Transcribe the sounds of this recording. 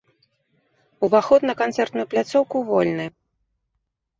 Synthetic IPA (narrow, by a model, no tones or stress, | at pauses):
uvaxɔt̪nɐkant̪sɛrt̪nujuplʲat̪sɔwkuvɔlʲnɨj